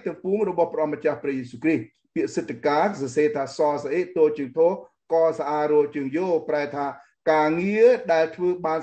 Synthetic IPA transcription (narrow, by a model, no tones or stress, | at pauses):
t̪ɨwpuːmrɔɓɑhpʔɑmːət͡ɕahprɛ̆əjeːsuːkrih | piəʔsət̪ʰːakaːsɑseːt̪ʰaːsɑːsaʔeːʔt̪oːlt͡ɕɨːŋt̪ʰoː | kɑːsaʔaːrɔəlt͡ɕɨːəŋjoːpraɛt̪ʰaː | kaːŋiəɗaɛlt̪ʰʋəːɓaːn